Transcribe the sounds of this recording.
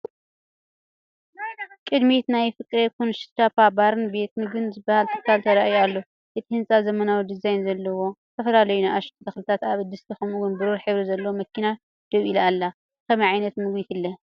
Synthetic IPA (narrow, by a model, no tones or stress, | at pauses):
kʼɨd̪mit̪najfɨkʼɾekʰonʃɨ̥t̪ʰapʰabaɾɨnbet̪̚mɨɡɨnzɨbahalt̪ʰɨ̥kʰːalt̪ʰɐɾaʔjalːo | jet̪ʰihɨnt͡sʼazɐmɐnawid̪ɨzajnzɐlːɐwo̞t̪ʰɐfɐlalɐjunaʔaʃt̪ʰt̪ʰɐxlɨt̪ʰat̪aβd̪ɨst̪ʰixɐmuwʊnbɨɾuɾħɨβɾizɐlːɐwomɐkʰːina | d̪̥ɐβilalːa | kʰɐmɐʕajnɐt̪mɨɡwit̪ɨlːɐ